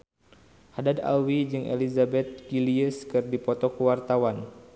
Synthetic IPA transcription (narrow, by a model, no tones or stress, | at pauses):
hadada̰wid͡ʒɨŋḛlizabɛt̪̚ɡiliəskɨrdipɔt̪ɔkəwart̪awan